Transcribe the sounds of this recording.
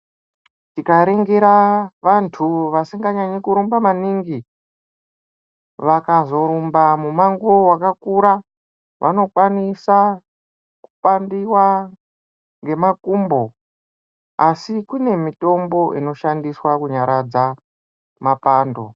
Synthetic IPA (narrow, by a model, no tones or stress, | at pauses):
tikaɾeŋɡeɾaʋantʰuʋasiŋɡaɲaɲikuɾumbamaniŋɡi | ʋakazo̞ɾumbamumaŋɡowakakuɾa | ʋʔa̰no̞kwanisa | ku̥pandiwa | ŋɡe̞makuːmbo̞ | asikune̞mito̞mbo̞ʔino̞ʃandiswakuɲaɾad͡za | mapaːndo̞̰